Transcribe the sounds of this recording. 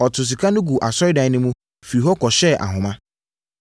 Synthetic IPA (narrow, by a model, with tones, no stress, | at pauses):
ɔ˨tʰʊ˨s̬i˨kʰa˦nʊ̃˦ɡu˨ʔa˨sɔ˦ɪ˦dã˨˦nɪ̃˦mũ˦ | fi˨i˨ɦɔ˦kɔ˨ɕɛ˦˨ʔa̰˨ɦʊ̃˨mã˦